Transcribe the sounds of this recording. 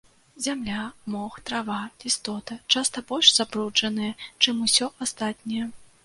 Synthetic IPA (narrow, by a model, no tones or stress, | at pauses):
zʲamlʲamɔxt̪ɾavaist̪ɔt̪ɐt͡ʂast̪ɐbɔlʲʂz̥apɾud͡ʐɐnɨjɐt͡ʂɨmusʲɔʔast̪at̪̚ʲnʲɐjɐ